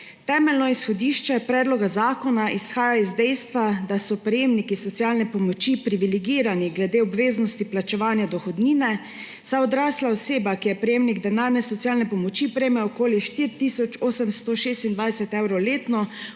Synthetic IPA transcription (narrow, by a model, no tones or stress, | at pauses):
t̪ɛːmɛlnɔisxɔd̪iːʃt͡ʃɛpɾɛːd̪lɔɡazaːkɔnaʔisxaːjaizd̪ɛjst̪ʋad̪asɔpɾɛjeːmnikisɔt̪sialnɛpɔmɔt͡ʃipɾiʋilɛɡiːɾaniɡlɛd̪eɔbʋeːznɔst̪iplat͡ʃɛʋaːnjad̪ɔxɔd̪niːnɛ | saɔd̪ɾaːslaɔseːbakijɛpɾɛjemniɡd̪ɛnaːɾnɛsɔt̪sjaːlnɛpɔmɔt͡ʃipɾɛjmɛɔkoːliʃt̪iɾt̪isɔt͡ʃoːsəmst̪ɔʃeːst̪ind̪ʋajsɛt̪ɛwɾowleːt̪nɔ